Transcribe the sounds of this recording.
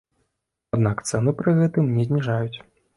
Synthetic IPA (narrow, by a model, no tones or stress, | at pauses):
ad̪nakt̪sɛnɨpɾɨɣɛt̪ɨmnʲɛzʲnʲiʐajut͡sʲ